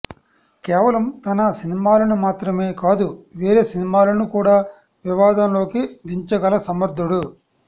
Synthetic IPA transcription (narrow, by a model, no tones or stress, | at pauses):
kɛːʋɐlɐmt̪ɐnɐsinimaːlɐnumaːt̪ɾɐme̞ːkaːd̪uʋeːɾeːsinimaːlɐnukuːɽaː | ʋiʋaːd̪ɐmlo̞ːkid̪iɲt͡ʃɐɡɐlɐsɐmɐɾd̪ʱːuɽu